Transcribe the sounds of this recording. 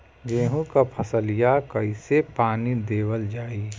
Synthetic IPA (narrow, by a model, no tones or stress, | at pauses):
ɡeːɦũkapʰəsəlijakɐɪsepaːnid̪eːwəld͡ʒaːiː